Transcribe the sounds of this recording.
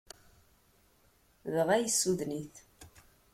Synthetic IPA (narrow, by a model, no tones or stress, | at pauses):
ðʁæjəsːuðniθ